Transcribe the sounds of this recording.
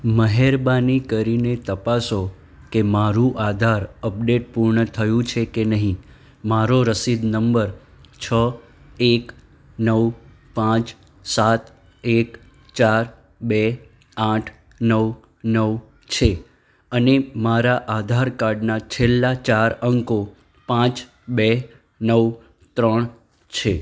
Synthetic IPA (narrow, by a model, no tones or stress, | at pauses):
məɦeɾbanikəɾinet̪əpaso | kemaɾũʔad̪ʱaɾəp̚ɖeʈ̚puɾɳət̪ʰəjũt͡ʃʰekenəɦĩ | maɾoɾəsid̪nəmbəɾ | t͡ʃʰə | ek | nəw | pãt͡ʃ | sat̪ | ek | t͡ʃaɾ | be | ãʈʰ | nəw | nəʋ | t͡ʃʰe | ənemaɾaʔad̪ʱaɾkaɾɖnat͡ʃʰelːat͡ʃaɾəŋko | pãt͡ʃ | be | nəw | t̪ɾəɳ̃ | t͡ʃʰe